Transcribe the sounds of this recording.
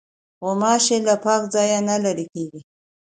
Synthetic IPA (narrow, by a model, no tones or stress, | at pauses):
ɣomɑʃelapɑːkzɑjanalaɾikeɡi